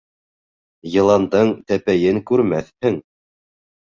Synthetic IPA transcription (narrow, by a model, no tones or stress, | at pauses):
jɤ̆lˠɑnd̪ɤɴt̪æpæjɘŋkʉɾmæθhɘŋ